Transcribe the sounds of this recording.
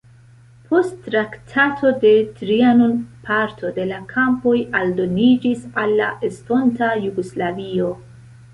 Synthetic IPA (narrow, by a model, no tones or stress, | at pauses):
pʰo̞stːɾaktʰatʰo̞de̞tɾianonpʰaɾtʰo̞de̞lakʰampo̞jaldo̞nid͡ʒisalːaʔesto̞ntajuɡoslavio̞